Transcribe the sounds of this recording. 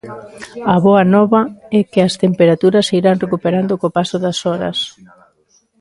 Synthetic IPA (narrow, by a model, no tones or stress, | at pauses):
ɐβɔɐnɔβɐɛkeɐst̪empeɾat̪uɾɐsiɾaŋrekupeɾand̪okopasoðɐsɔɾɐ̰s